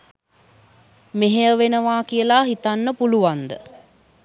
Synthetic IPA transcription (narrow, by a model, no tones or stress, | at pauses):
meɦeəʋenəʋaːkijəlaɦit̪anːəpuluʋand̪ə